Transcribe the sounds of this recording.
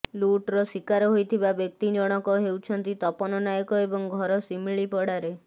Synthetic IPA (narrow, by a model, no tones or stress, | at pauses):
luʈɾɔsikaɾɔɦojt̪ʰibabjɔk̚t̪id͡ʒɔɽ̃ɔkɔɦewt͡ʃʰɔnt̪it̪ɔpɔnɔnajɔkɔebɔŋɡʱɔɾɔsimiɭipɔɽaɾe